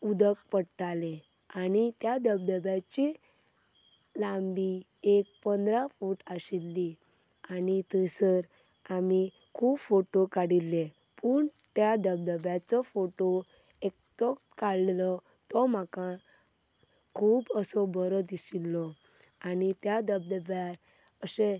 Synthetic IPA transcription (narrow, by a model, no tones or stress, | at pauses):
ud̪əkpəɽʈaleanit̪jad̪əb̚d̪əbjat͡ɕi | lambi | ek̚pənd̪ɾafuʈasilːianit̪əsəɾamikʰuːbfoʈokaɽilːepəɳt̪jad̪əbd̪əbjat͡sɔfoʈoek̚t̪ɔkaɭlɔ | t̪ɔm̤aka | kʰuːbəsɔbəɾɔd̪isilːɔanit̪jad̪əbd̪əbjaɾəse